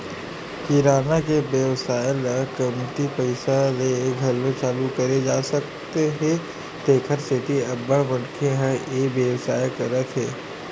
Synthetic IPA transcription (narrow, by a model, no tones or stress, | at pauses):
kiɾaːnakebjəʋsaːjlɐkɐmt̪ipɐɪsaleɡʱɐlːõt͡ʃaːlukɐɾed͡ʒaːsɐk | t̪eɦɛ̃ | t̪eːkʰəɾset̪iɐbːəbɐɽkʰeɦɛebjəwsaːjkɐɾət̪ɦɛː